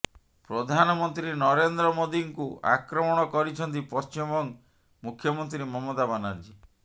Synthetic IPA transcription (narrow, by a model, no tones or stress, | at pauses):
pɾɔd̪ʱanɔmɔnt̪ɾinɔɾend̪ɾɔmod̪iŋkua̰kɾɔmɔɽ̃ɔkɔɾit͡ʃʰɔnt̪ipɔst͡ʃimɔŋ | mukʰjɔmɔnt̪ɾimɔmɔd̪abanaɾd͡ʒi